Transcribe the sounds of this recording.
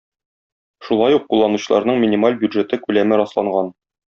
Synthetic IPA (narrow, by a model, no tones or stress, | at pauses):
ʃulˠɑjuq̚qulˠːɑnuɕɤ̆lˠɑ̰ɾnɤɴmʲɪnʲimalʲbʲjud̪ʐet̪ɤkʉlæmɘɾɒslˠɑɴɢɑn